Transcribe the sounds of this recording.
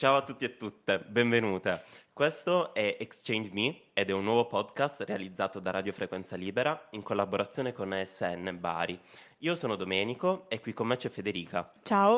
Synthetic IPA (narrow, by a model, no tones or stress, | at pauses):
t͡ʃaːoat̪ːut̪ːiet̪ːut̪ːebeɱvenuːt̪ekwest̪oɛekst͡ʃɛjnd͡ʒmi | ed̪ɛunːwɔːvopɔd̪kast̪realid̪zːaːt̪od̪arad̪jofɾekwɛnt̪saliːbeɾaiŋkolːaboɾat̪sːjoːnekonɛsːɛnːeba̰ːɾi | iːosoːnod̪omɛːnikoekːwikːomːet͡ʃɛfːed̪eɾiːkat͡ʃaːo